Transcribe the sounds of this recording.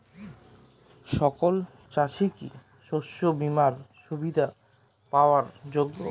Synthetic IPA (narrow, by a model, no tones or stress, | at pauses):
ʃɔkol | t͡ɕaʃiki | ʃoʃːobimaɾʃubid̪ʱa | paoaɾd͡ʑoɡːo̰